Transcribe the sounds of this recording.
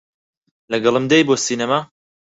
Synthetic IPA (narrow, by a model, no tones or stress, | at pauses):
lɐɡɐlˠɨmd̪ejboːsiːnɐma